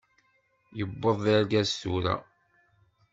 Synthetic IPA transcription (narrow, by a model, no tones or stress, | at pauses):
jəbːəðˤæɾɡæsθuɾæ̰